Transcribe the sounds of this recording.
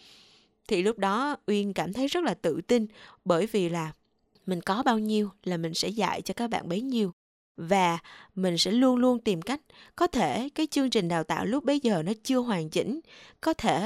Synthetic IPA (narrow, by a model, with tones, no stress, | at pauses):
t̪ʰi˨˩lʊ˦˥p̚ɗɔ˨˦ʔwi˧ənkaː˧˩mt̪ʰə˨˦jzə˦˥t̚laː˨˩t̪ɨ̰˧˨t̪ï˧nɓəː˧˩jvi˨˩laː˨˩ | mï˨˩ŋ̟kɔ˨˦ɓaː˧wɲi˧əwlaː˨˩mï˨˩ŋ̟sɛ̰˧˥za̰ː˧˨jt͡ɕɔ˧kaː˦˥k̚ɓa̰ː˧˨nɓə˨˦jɲi˧əw | vaː˨˩mï˨˩ŋ̟sɛ̰˧˥lu˧ənlu˧ənt̪i˨˩mka˦˥jk̟̚kɔ˨˦t̪ʰe˧˩kaː˨˦jt͡ɕɨ˧əŋt͡ɕï˨˩ŋ̟ɗaː˨˩wt̪a̰ː˧˨wlʊ˦˥k͡p̚ɓə˨˦jzəː˨˩nɔ˨˦t͡ɕɨ˧əɦwaː˨˩ŋt͡ɕḭ̈˧˥ŋ̟kɔ˨˦t̪ʰe˧˩